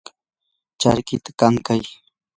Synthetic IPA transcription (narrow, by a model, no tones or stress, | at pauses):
t͡ʃa̰ɾkɪt̪ḁkaŋkaj